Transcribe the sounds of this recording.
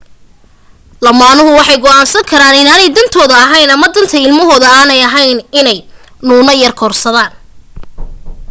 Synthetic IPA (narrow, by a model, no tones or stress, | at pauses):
lɐmaːnʊɦʊwɑħɑjɡɔaːnsɐŋkʰɐɾaːnɪnaːnɛjd̪ɐnt̪ʰɔːðɐːɦɐjnɐmɐd̪ɐnt̪ʰɐɪlmɐɦɔːðɐaːnɛjɐɦɐjnɪnɛj | nuːnɐjɐrkʰɔːrsɐðaːn